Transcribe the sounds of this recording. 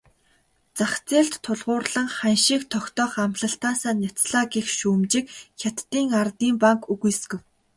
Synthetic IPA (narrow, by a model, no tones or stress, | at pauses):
t͡saχt͡seːɬt̪ʰːʊɮʁʊːrɮə̆ŋχænʃiːkt̪ʰɔkt̪ɔːχamɮə̆ɬt̪aːsaːnʲat͡sɮaːɡixʃuːmt͡ɕɪ̆kxʲat̪ːiːŋart̪iːmpaŋkɵɣujsɡɘ̆w